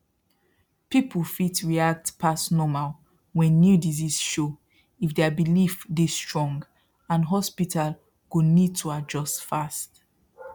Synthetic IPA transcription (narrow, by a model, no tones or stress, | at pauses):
pipəl̩fitɹiak̚tpʰasnɔmal | wɛ̃nːjudiziz̥ʃo | ifdɛabilifdestɹɔ̃ŋɡ | ãnɦɔspitʰal | ɡ̥onid̚tʰuad͡ʒɔstfast